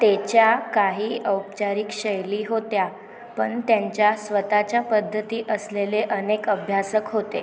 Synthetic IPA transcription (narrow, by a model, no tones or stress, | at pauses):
t̪et͡ɕjakaɦiːʔəwpt͡ɕaɾikɕəjliːɦot̪ja | pəɳt̪jaɲt͡ɕjasʋət̪at͡ɕjapəd̪ʱːət̪iːʔəsleleʔənekəbʱjasəkɦot̪e